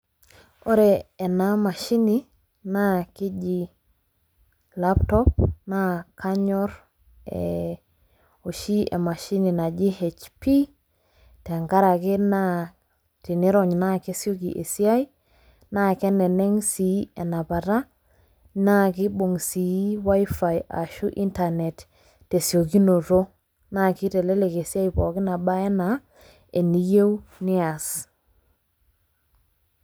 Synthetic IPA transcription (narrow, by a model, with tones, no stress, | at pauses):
o˦ɾɛː˨na˦ma˨ʃi˦ni˦ | na˦kɪ˦d͡ʒi˨ | la˦ptɔ˦pna˦kʰa˦ɲɔ˦ɾ | ɛ̰ | o˨ʃi˦ḛ˨ma˨ʃi˦ni˨na˨d͡ʒi˦he˨t͡ʃpi˦ | te˨ŋka˦ɾa˨kɪ˦na˦ | ti˨ni˦ɾɔ˨ɲna˦ke˦sjo˦ki˨ʔḛ˨si˦a˦j | na˦kɛ˦nɛ˨nɛ˦ŋsi˨˦ɛ˨na˨pa˨ta˦ | na˦kɪ˦bo˨ŋsi˨˦wa˦jfa˨ja̰˨ʃu˦ʔi˦nta˨ne˨t | te˨sjo˨ki˦no˨to˦ | na˦kɪ˦tɛ˨le˦le˨ke˨sa˦jpɔ˨kɪ˦na˨ɓa˦ɛ˦na˨ | e˨ni˦je˦wnɪ˦a˨s